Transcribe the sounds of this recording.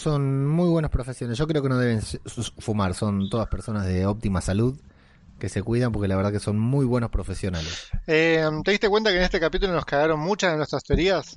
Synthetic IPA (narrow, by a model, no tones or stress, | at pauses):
so̞nmujβwe̞naspɾo̞fesjonesʒ̥o̞k̬ɾe̞o̞kenoðe̞βe̞nsfumaɾso̞nt̪o̞ðaspeɾso̞nazðe̞op̚t̪imasaluð | ke̞se̞kwiðampo̞ɾkelaβeɾðakeso̞nmujβwe̞nospɾo̞fe̞sjo̞nalesemt̪eðist̪ekwe̞nt̪akenest̪ekapit̪̬ulonoskaɣaɾonmut͡ʃazðenwest̪ɾast̪eoɾias